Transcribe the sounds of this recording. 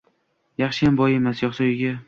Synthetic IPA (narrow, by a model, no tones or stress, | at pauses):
jɑχʃɪjambɒje̞masjɒχsɒjɪɡʲa